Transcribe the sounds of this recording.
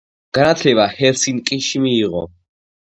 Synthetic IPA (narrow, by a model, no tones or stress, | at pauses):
ɡ̥anat̪ʰlɛbahɛɾsiŋkʼiʃimiːʁɔ̰